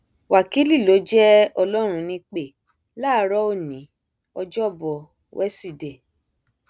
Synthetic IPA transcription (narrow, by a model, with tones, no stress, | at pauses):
wa˨ki˨˦li˦˨lo˨˦d͡ʒɛ˦ɔ˧lɔ˦ɾ̃ũ˧nĩ˧k͡pe˦˨ | laː˦ɾɔ˦o˦˨nĩ˨˦ | ɔ˧d͡ʒɔ˦˨bɔ˨ | wʔɛ˦si˦˨de˨